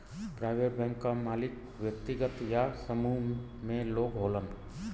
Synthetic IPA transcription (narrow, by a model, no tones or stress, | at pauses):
pɾaːʋeɾbɛ̃ŋkːamaːlɪk̚ | wjəkt̪ɪɡət̪jasəmuɦ | mẽloːɡɦoːlən